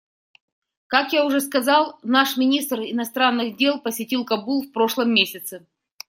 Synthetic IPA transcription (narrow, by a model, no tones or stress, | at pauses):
kakjaʊʐɛskɐzɑlˠnaʂmʲɪnʲist̪rɪnɐst̪ɾanːɨɣdʲe̞lˠpəsʲɪtʲilˠkɐbulˠfpɾo̞ʂlˠəmːʲesʲɪt̪sɨ